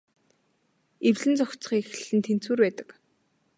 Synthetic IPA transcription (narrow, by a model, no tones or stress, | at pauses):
ewɮɘ̆nt͡sɔkt͡s̆χiːxɮɘ̆nt̪ʰen̥t͡suːrpæːt̪ə̥̆k